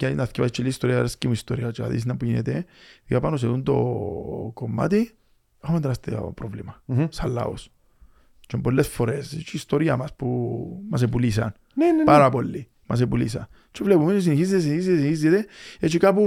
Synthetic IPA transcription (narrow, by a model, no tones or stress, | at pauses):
kanaθcipait͡ʃːilːiist̪oɾiaɾescimuist̪oɾiat͡ʃa̰ðḭs̬inapujinḛt̪eapanos̬eðunt̪o̰ | komːa̰t̪i | axomend̪ɾast̪ḛpɾovlimasalːa̰o̰s | t͡ʃembolːesfoɾeset͡ʃʰiːst̪oɾiamaspumas̬epulis̬a̰n | nenpaɾapolːi | mʔas̬epulisa̰n | t͡ʃevlepumenos̬iniçizd̪es̬inizesinçizd̪et̪eet͡ʃikapu